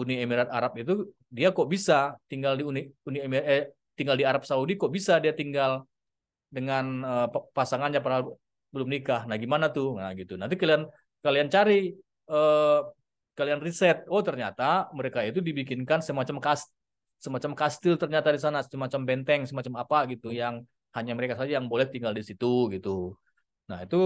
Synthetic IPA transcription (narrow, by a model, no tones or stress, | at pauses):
uniemiɾat̪̚aɾap̚it̪u | diakɔʔbisat̪iŋɡaldiuniuniemi | t̪iŋɡaldiaɾap̚saudikɔʔbisadiat̪iŋɡal | dəŋanəpasaŋanɲaparɦal | bəlʊmnikahnahɡimanat̪uhŋaɡit̪unant̪̬ikalian | kaliant͡ʃaɾi | ə | kalianrisɛt̪̚ot̪ərɲat̪aməɾekait̪udibikɪnkansəmat͡ʃamkast | səmat͡ʃamkast̪ɪlt̪ərɲat̪adisanasəmat͡ʃambɛnt̪ɛŋsəmat͡ʃamapaɡit̪ujaŋ | haɲaməɾekasad͡ʒajaŋbolɛht̪iŋɡaldisit̪uɡit̪u | naɦit̪u